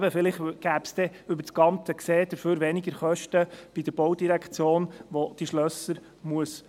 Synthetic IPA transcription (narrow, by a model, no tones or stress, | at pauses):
bəfɪlɪχɡ̥æːpsd̥̪ɛʏbəɾsɡ̥ɑnt͡səkseːd̥̪əɾføːɾʋɛnɪɡəɾχœʃtəb̥id̪əɾb̥owd̪iɾækχt͡sjoːnʋod̪̥iʃlœsːəɾ | muəs